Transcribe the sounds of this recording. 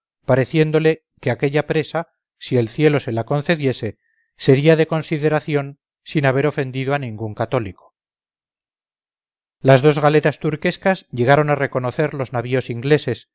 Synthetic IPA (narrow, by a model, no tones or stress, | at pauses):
paɾe̞θje̞nd̪o̞le̞ | keake̞ʎapɾe̞sa | sie̞lθje̞lo̞se̞lako̞nθe̞ðje̞se̞ | se̞ɾiaðe̞ko̞nsiðe̞ɾaθjo̞n | sinaβ̞e̞ɾo̞fe̞nd̪iðoanĩŋɡuŋkat̪o̞liko̥ | lazðo̞zɣale̞ɾast̪uɾke̞skazʝe̞ɣaɾo̞nare̞ko̞no̞θe̞ɾlo̞znaβio̞siŋɡle̞se̞s